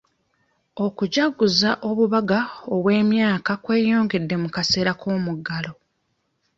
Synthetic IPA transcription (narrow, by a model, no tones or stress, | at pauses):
o̞kuɟaɡuzaʔo̞βuβaɡaoβwe̞ːmjaːkakwe̞ːjo̞ːŋɡe̞dːe̞mukase̞ːɾakʰo̞ːmuɡalo̞